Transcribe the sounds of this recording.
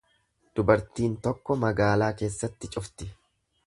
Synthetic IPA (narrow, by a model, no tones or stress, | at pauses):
d̪̥ʊbɐɾt̪iːnt̪ɔkːɔmɐɡaːlaːke̞ːsːɐt̪ːɪt͡ʃʼʊft̪ɪ